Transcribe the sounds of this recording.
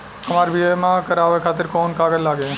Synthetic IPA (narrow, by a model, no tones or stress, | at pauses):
ɐmaːɾbiəmãkəɾaːʋekʰaːt̪ɪɾkɔːnkaːɡəllaːɡẽ